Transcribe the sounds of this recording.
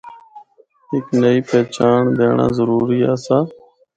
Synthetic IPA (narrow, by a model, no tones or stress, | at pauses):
ɦɪknəiːpɛːt͡ʃaːɳd̪eːɳa̰ːzəɾuːɾiːaːsaː